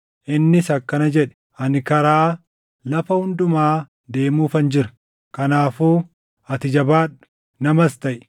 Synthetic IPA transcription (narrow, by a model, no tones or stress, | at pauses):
ʔɪnːɪsɐkːɐnɐd͡ʒɛᶑɛ̥ | ɐnɪkɐɾaː | lɐfɐhʊnd̪ʊmaː | d̪e̞ːmuːfɐnd͡ʒɪɾɐ̥ | kɐnaːfuː | ɐt̪ɪd͡ʒɐbaːᶑʊ̥ | nɐmɐst̪ɐʔ